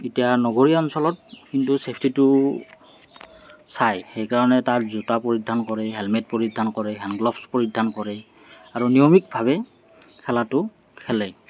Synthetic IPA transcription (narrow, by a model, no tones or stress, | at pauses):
itijanɔɡoɹiɔnsɔlɔt̚kintusepʰtitʊ | sajxejkaɹɔnɛtaɹzutapɔɹidʱːankɔɹɛɦɛlmɛt̚pɔɹidʱːankɔɹɛɦɛnɡlɔpspɔɹidʱːankɔɹɛ | aɹunijɔmik̚bʱaβɛ | kʰɛlatʊ | kʰɛlɛ